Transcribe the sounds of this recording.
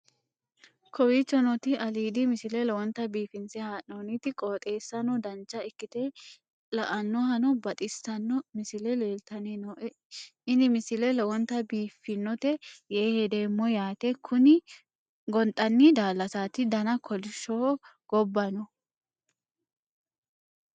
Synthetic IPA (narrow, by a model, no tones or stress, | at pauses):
kʰɔwiːt͡ʃːɔnɔt̪ɪʔɐliːd̪ɪmɪsɪlɛlɐwɔnt̪ɐbiːfɪnsɛhaːʔonɪt̪ɪkʼoːt̪ʼe̞ːsːɐnɔd̪ɐnt͡ʃːɐɪkːɪt̪e | lɐʔɐnːɔhɐnɔbɐt̪ʼɪst̪ɐnːɔmɪsɪlɛleːlt̪ɐnenɔʔɛ | ɪnɪmɪsɪlɛlɐwɔnt̪ːɐbiːfːɪnːɔt̪ɛjeːhɛd̪eːmːɔjaːt̪ɛkʰʊnɪ | ɡɔnt̪ʼːɐnːɪd̪aːlːɐsaːt̪ɪd̪ɐnɐkʰɔlɪʃːɔ | ɡ̥ɔbːɐnɔ